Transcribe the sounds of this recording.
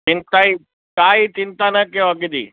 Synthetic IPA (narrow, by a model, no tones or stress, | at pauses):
t͡ʃɪ̃nt̪ai | kaːit͡ʃɪ̃nt̪anɐkijoɐɡɪd͡ʑḭː